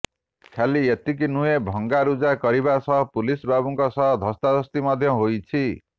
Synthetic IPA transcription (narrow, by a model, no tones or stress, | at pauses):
kʰjaliet̪ik̬inujebʱʌŋɡaɾud͡zakʌɾibasʌɦpulisbabuŋkɔsʌɦʌd̪ʱʌst̪ad̪ʌst̪imʌd̪ʱjʌɦojt͡sʰi